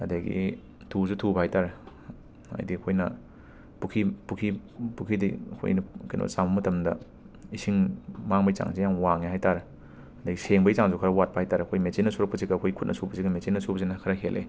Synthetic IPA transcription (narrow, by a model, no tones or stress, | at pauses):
ɐdaɡḭ | tʰuzutʰubahajtaɾe | ɐ̰jdiɐkʰojnɐ | pukʰipukʰipukʰidḭɐ̰kʰo̰jnɐkɐjnʔo̰saŋbɐmɐtʰɐmdɐ | isiŋmaŋbɐjt͡ʃa̰ŋsejaŋwaŋehajtaɾe | ɐdaɡiseŋbɐjt͡ʃaŋzukʰɐɾɐwat̚pahajtʰaɾeɐkʰojmet͡ʃinːɐsuɾɐk̚pɐziɡɐkʰojkʰut̚nɐsubɐziɡɐmet͡ʃinːɐsubɐzinɐkʰɐɾɐkʰelʔḛ